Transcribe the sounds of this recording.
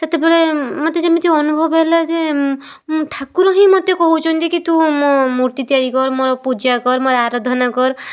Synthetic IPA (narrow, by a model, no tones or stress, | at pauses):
set̪ebeɭemɔt̪ed͡ʒamit̪iɔnubʱɔbɦelad͡ʒe | ʈʰakuɾɔɦĩmɔt̪ekɔɦut͡ʃʰɔnt̪ikit̪umomuɾt̪it̪ijaɾikɔɾmoɾɔpud͡ʒakɔɾmɔɾɔaɾɔd̪ʱɔnakɔɾɔ